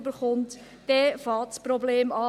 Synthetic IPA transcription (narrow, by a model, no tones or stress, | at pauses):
bəɾχʊntː | ɛfɑːtsprɔbleːmɑː